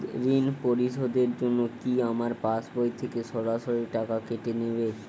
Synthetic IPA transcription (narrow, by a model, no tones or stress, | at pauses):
ɾinpoɾiʃod̪eɾd͡ʑonːokiamaɾpasbojt̪ʰekeʃɔɾaʃoɾiʈakakeʈenebe